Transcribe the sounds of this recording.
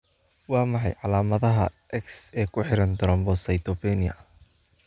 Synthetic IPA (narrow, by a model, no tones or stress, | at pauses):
wɑːmɑħɑ̰jʕɑlaːmɐðɐɦɐʔɛksɛːkʰʊħɪɾɐnd̪ɔɾɐmbɔsɐjt̪ɔbɛnɪɐ̰